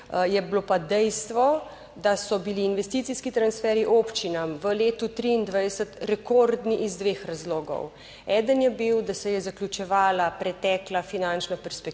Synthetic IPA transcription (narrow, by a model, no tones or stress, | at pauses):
jɛblopad̪ɛjst̪ʋɔ | d̪asɔbiliːnʋɛst̪it̪siskit̪ɾansfɛːɾiʔopt͡ʃinamʋəleːt̪ut̪ɾiːnd̪ʋajd̪ɛsət̪ɾɛkoːɾd̪niʔizd̪ʋeːxɾazloːɡɔ̰w | ɛːd̪ənjɛbiwd̪asɛjɛzaklʲut͡ʃɛʋaːlapɾɛt̪ɛːklafinãnt͡ʃnapɛɾspɛk̚